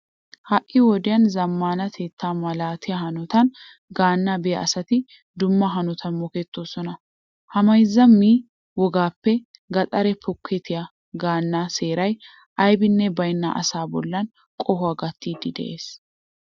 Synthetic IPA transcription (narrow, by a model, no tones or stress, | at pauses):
hɐʔʼʔːɪwɔd̪ɪjɐnzɐmːaːnɐt̪ʰeːt̪ːaːmɐlaːt̪ɪjɐhɐnɔt̪ɐn | ɡaːnːabɪjɐ̰ɐsɐt̪ɪ | d̪ʊmːɐɦɐnɔt̪ʰɐnmɔkɛt̪ːoːsɔnɐ | hɐmɐjzːɐmːiː | wɔɡaːpːɛɡɐt̪ʼɐɾɛpɔkʰːɛt̪ʰɪjɐ | ɡaːnːaːseːɾɐj | ʔɐjbɪnːɛbɐjnːa̰ːʔɐ̰saːbɔ̰lːɐn | kʼɔhʊɐɡɐt̪ːiːd̪ɪd̪ɛ̰ʔe̞ːs